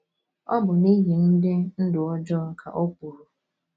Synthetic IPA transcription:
ɔ̰˦bʊ˨ni˦ɦi˨n̩˦de˦n̩˦dʊ˨ɔ˦d͡ʒɔ˦˨kʰa̰˨ʔo˦ku˨ɾʊ˨

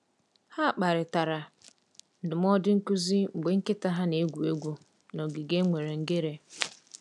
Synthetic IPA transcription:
ha˦˨k͡pa˨ɾɪ˨ta˨ɾa˨ | n̩˨dʊ˨m˦ɔ˦dɪ˦ŋ̩˦ku˦zi˦ŋ͡m̩˨ɡ͡be˨ŋ̩˦kɪ˦ta˦ɦa˦ne˨˦ɡʷu˨e˦ɡʷu˦ | nɔ˨ɡi˨ɡe˦ŋʷe˨ɾe˨ŋ̩˨ɡe˦ɾe˦

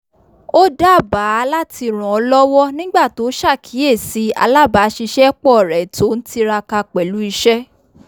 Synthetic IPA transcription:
o˦da˦˨ba˨˦a˧la˦tʰi˧ɾ̃ɔ̃˨ɔ˧lɔ˦wɔ˦nĩ˦ɡ͡ba˦˨to˨˦ʃa˦˨kʰi˨˦e˦˨si˨˧˦a̰˧la˦ba˨˦ʃi˧ʃɛ˦k͡pɔ˦˨ɾɛ˨to˨˦n̩˦ti˦ɾa˧ka˧k͡pɛ˨lu˨˦i˧ʃɛ˦

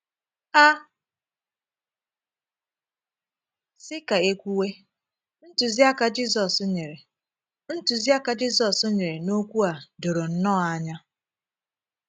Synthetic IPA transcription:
a˦ | sɪ˦ka˨e˦kʷu˦we˦ | n̩˦tʊ˨zi˦a˦ka˨d͡ʒi˦s̬ɔ˨sʊ˦ɲe˨ɾe˨ | n̩˦tʊ˨zi˦a˦ka˨d͡ʒi˦sɔ˨sʊ˦ɲe˨ɾe˨no˦kʷu˦a˨do˨ɾo˨n̩˦nɔ˦a˦ɲa˦

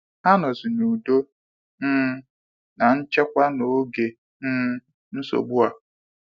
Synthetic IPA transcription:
ha˦nʊ˨zi˨nu˨do˦ | n̩ː˦ | na˨n̩˦t͡ʃe˦kʷa˦no˨˦ɡe˨ | n̩ː˦ | n̩˦so̰˨ɡ͡bu˦a˨

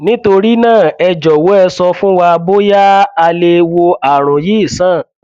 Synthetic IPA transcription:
nĩ˦to˧ɾi˦nãː˦˨ɛ˨˧d͡ʒɔ˨wo˨˦ɛ˧sɔ˧fũ˦wa˧bo˦ja˦a˧le˧wo˧a˨ɾ̃ɔ̃˨ji˨˦i˦˨sãː˦˨

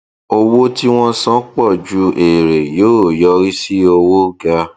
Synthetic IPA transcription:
o˧wo˦ti˦w̃ɔ̃˦sɔ̃˦k͡pɔ˦˨d͡ʒu˧˦ʔe˨ɾe˨joː˨˦˨jɔ˧˦ɾi˦si˦o˧wo˦ɡa˧

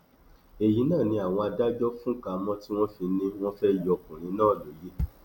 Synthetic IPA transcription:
e˨ji˨˦nãː˦˨nĩ˧˦a˨w̃ɔ̃˧a˧da˦d͡ʒɔ˦fũ˦ka˨mɔ̃˦ti˦w̃ɔ̃˦fi˧nĩ˧w̃ɔ̃˦fɛ˦jɔ˧kũ˨ɾ̃ĩ˧˦nãː˦˨lo˨je˨˦

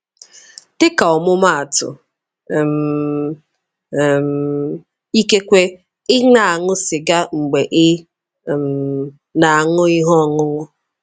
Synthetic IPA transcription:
tɪ˦ka˨ɔ˨mʊ˦ma˦˨a˨tʊ̰˨ | m̩˨ | m˨ | i˦ke˦kʷe˦ | ɪ˦ŋa˨a˨ŋʊ˦sɪ˨ɡa˦ŋ͡m̩˨ɡ͡be˨ʔɪ˦˨ | m̩˨ | na˨a˨ŋʊ˦ɪ˦ɦɔ˦ɔ˨ŋʊ˦ŋʊ˦

